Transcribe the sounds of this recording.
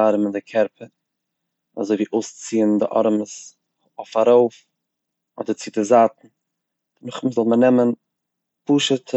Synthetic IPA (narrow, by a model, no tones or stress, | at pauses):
aɾəmɪndɪkʰɛɾpʰə | a̰zoɪviːʔoʊst͡siːəndɪ̰ʔɔ̰ɾməs | oʊfaɾoʊf | ɔ̰dəɾt͡sidɪzatn̩ | nʊχməzɔlˠmənɛmən | puːʃətʰ